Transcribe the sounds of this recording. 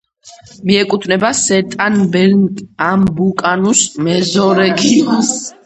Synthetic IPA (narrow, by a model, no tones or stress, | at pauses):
miɛkʼut̪ʰnɛbasɛt̪ʼanbɛɾnɡambukʼanusmɛzɔɾɛɡiɔns